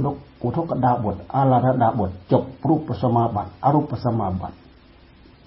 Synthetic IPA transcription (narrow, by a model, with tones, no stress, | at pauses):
ndo˦˨ku˨t̪ʰo˦kːa˧˨daː˧˨bu˨t̪̚ʔa˧˦laː˧˨da˦daː˧bu˨t̪̚t͡ʃo˨p̚ɾuː˦˨pːa˨sa˧ma˧ba̰˨t̪̚ʔa˧ɾuː˦˨pːa˨sa˧ma˧ba̰˨t̪̚